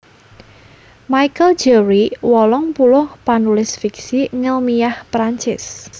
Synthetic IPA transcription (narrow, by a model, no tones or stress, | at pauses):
majkəld͡ʒɛɾiwɔlɔŋpulʊhpanulɪsfiksiŋɪlmijahpɾaɲt͡ʃɪs